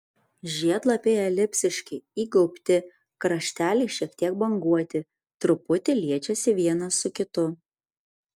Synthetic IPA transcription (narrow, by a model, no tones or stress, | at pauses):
ʒʲiɛd̪lˠɐpʲeːjɛlʲɪpʲsʲɪʃʲkʲɪiːɡɔʊpʲt̪ʲɪ | kɾɐʃʲt̪ʲæːlʲɛɪʃʲiɛkt̪ʲiɛk̚bɐŋɡuɔt̪ʲɪ | t̪ɾʊpʊt̪ʲɪlʲiɛt͡ʃʲɛsʲɪʋʲiɛnɐsːʊkʲɪt̪ʊ